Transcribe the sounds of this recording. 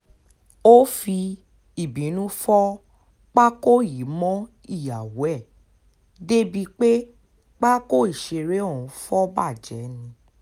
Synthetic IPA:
o˦fi˧ | i˨bĩ˨˦nũ˦fɔ˦ | k͡pa˦ko˦ji˨˦mɔ̃˦ | i˦˨ja˨wu˨˦ɛ˦˨ | de˦bi˧k͡pe˦ | k͡pa˦ko˦i˦˨ʃe˧ɾe˨˦ɔ˦˨ũ˨˦fɔ˦ba˦˨d͡ʒɛ̰˨˦nĩ˧

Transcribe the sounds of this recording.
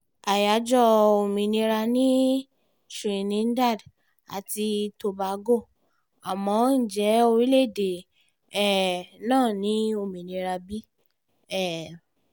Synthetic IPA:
a˨ja˨˦d͡ʒɔ˦o˧mĩ˨nĩ˧ɾa˧nĩ˦ | ʃĩ˨nĩ˨˦n̩˦da˦˨d | a̰˨ti˧to˧ba˨˧˦ɡo˦˨ | a˨mɔ̃˨˧˦n̩˦˨d͡ʒɛ˨˦o˧ɾi˦le˦˨de˨ | ɛ˨nãː˦˨nĩ˨˦o˧˨mĩ˨nĩ˧ɾa˧bi˦ | ɛ˦˨

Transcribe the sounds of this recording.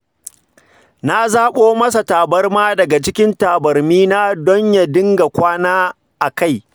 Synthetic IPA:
na˦zaː˦ɓoː˦mɐ˦sa˨taː˨bɐ˦rmaː˦dɐ˨ɡa˨t͡ʃɪ˦kʲɪ˦ntaː˨bɐ˨rmiː˦na˦dɔ˦ɲja˨dɪ˦ŋɡa˨kʷaː˦naː˦ | ʔa˨ka˦˨j

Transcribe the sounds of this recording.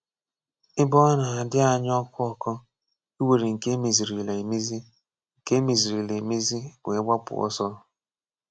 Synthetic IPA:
ɪ˦bɔ˦na˨a˨dɪ˦a˨ɲ˦ɔ˦kʷʊ˦ɔ˦kɔ˦ | i˦we˨ɾe˨ŋ̩˨ke˦me˨zi˨ɾi˨le˨me˦zi˦ | ŋ̩˨ke˦me˨zi˨ɾi˨le˨e˨me˦zi˦ɡʷe˨e˦ɡ͡ba˦pʊ̰˨ɔ̰˦sɔ˦

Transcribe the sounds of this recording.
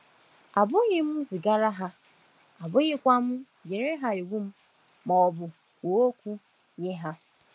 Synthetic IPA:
a˨bʊ˦ɣɪ˦m̩˦zi˨ɡa˦ɾa˦ɦa˦ | a˨bʊ˦ɣɪ˦kʷa˦m̩˦ | je˨ɾe˦ɦa˦e˨ɡʷu˦m̩˦ | ma˨ɔ˨bʊ˨ | ko˨o˦kʷu˦ | ɲɪ˦ɦa˦

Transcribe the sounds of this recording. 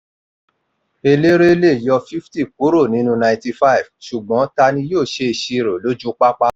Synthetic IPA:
e˧le˦ɾe˦le˦˨jɔ˧fi˦fti˦˨ku˨˦ɾo˦˨nĩ˨˦nũ˧nã˧˨ĩ˨ti˧fa˦i˨vʃu˨ɡ͡bɔ̃˨˦ta˧nĩ˧joː˦˨ʃe˧i˧˨ʃi˧ɾo˨lo˦d͡ʒũ˦k͡pa˦k͡pa˦

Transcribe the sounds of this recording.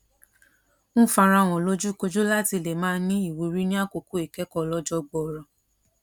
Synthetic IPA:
ñ̩˦˨fa˧ɾ̃ã˧˨w̃ɔ̃˨lo˦d͡ʒu˦ko˧d͡ʒo˦la˦ti˧le˨mãː˦˧˦nĩ˦i˦˨wu˨ɾi˦nĩ˦a˦˨ko˧ku˨˦e˨kɛ˦kɔ˧lɔ˦d͡ʒɔ˦ɡ͡bɔ˨ɾɔ˨

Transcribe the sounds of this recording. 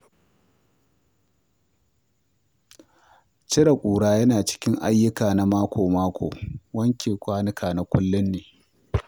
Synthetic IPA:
t͡ʃɪ˦ɽa˨kʷʼuː˨ɽaː˦jɐ˦naː˨t͡ʃɪ̥˦kʲɪ˦ŋʔa˦jːʊ˦kaː˨na˨maː˦kʷʰoː˨maː˦kʷʰo̰ː˨wɐ˦ŋkʲʰeː˨kʷaː˦nɪ˦kʰaː˨na˨kʷʊ˦lːʊ˦nːeː˨

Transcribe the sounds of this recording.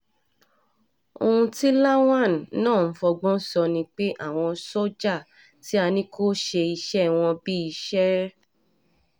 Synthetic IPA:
o̰˧ũ˧ti˦la˦w̃ã˦˨n˨˦nãː˦˨n̩˦fɔ˧ɡ͡bɔ̃˦sɔ˧nĩ˧k͡pe˦ʔa̰˦˨w̃ɔ̃˧sɔ˦d͡ʒa˦˨ | ti˨˦a˧nĩ˦kʰo˦ʃe˧i˧ʃɛ˦w̃ɔ̃˧bi˦i˧ʃɛ˦

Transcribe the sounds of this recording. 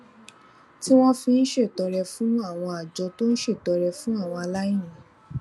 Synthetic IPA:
ti˦w̃ɔ̃˦fĩ˧n̩˦ʃe˦˨tɔ˨˧ɾɛ˧fũ˦a˦˨w̃ɔ̃˧a˨d͡ʒɔ˨˧to˦n̩˦ʃe˦˨tɔ˨˧ɾɛ˧fũ˦a˦˨w̃ɔ̃˧a˧la˦ji˦˨ĩ˨

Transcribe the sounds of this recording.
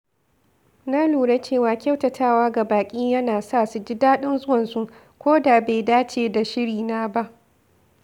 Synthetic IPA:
naː˦luː˨ɽe˦t͡ʃeː˦˨waː˨kʲa˦wtɐ˨tʰaː˦˨waː˦ɡa˨baː˨kʲʼiː˦jɐ˦naː˨sa˦˨su˨d͡ʒɪ˦daː˦ɗɪ˦nzʊ˦wɐ˨nsu˦ʔ | kʷoː˦da˨be˨jdaː˦t͡ʃeː˨da˨ʃɪ˦ɽiː˨naː˦ba˦ʔ

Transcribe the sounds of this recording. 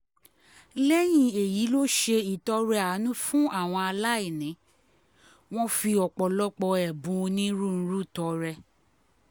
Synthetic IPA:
lɛ˦j̃ĩ˧e˨ji˨˦lo˦ʃe˧i˨tɔ˧˦ɾɛ˧a˨˦nũ˦fũ˦ʔa˦˨w̃ɔ̃˧a˧la˦e˦˨nĩ˨˦ | w̃ɔ̃˦fi˧ɔ˨k͡pɔ˨lɔ˦k͡pɔ˧ɛ˨bũ˨˧nĩ˦ɾũ˦˨n̩˦ɾũ˦˨tɔ˧ɾɛ˧

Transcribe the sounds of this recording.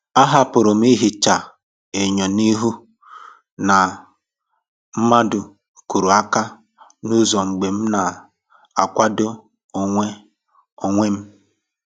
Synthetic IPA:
a˦ɦa˦pʊ˨ɾʊ˨m̩˦i˦ɦi˨t͡ʃa˨ | e˨ɲɔ˨ni˦ɦu˦ | na˨ | m̩˦ma˦dʊ˨ | ku˨ɾu˨a˦ka˦ | nu˦zɔ˨ŋ͡m̩˨ɡ͡be˨m̩˦na˨ | a˨kʷa˦dʊ˦ | o˨ŋʷe˦ | o˦˨ŋʷe˦m̩˦

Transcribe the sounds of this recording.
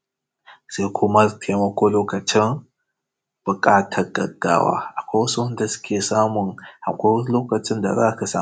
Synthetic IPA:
sa˦kʷʰu˦ma˦ɾtʰi˨a˨ma˦kʷo˦lo˦ka˨t͡ʃi˦n | b̥ɨ˨kʼa˦tʰa˨ɡɐ̰˨ɡa̰˨wa̰˨a˨kʷa˦wsu˦n˦da˦skʰʲe˨sa˦mu˨ŋha̰˨kʷo˦lo˦ka˨ti˦nda̰˨ɾa˦kə˦sa̰˦˨

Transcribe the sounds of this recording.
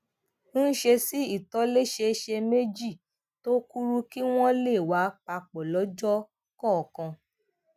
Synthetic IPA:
n̩ː˦ʃe˧si˦i˦˨tɔ˨˦le˦ʃe˧˦ʃe˧me˦d͡ʒi˦˨ | to˦ku˦ɾu˦ki˦w̃ɔ̃˦le˦˨wa˨˦k͡pa˧k͡pɔ˨lɔ˨˦d͡ʒɔ˦ | kɔ˦˨ɔ˨kã˧

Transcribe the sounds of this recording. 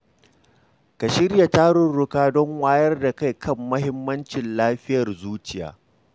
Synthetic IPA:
ka˨ʃɪ˦rja˨taː˦ɽʊ˨nɽʊ˦kaː˦dɔ˦ŋwaː˦jɐ˦rda˨ka˦˨jkʰɐ˦˨mːɐ˦hɪ˦mːɐ˦nt͡ʃɪ˨nlaː˦ɸɪ˦jɐ˨rzuː˦t͡ʃɪ˨ja̰ː˨˦

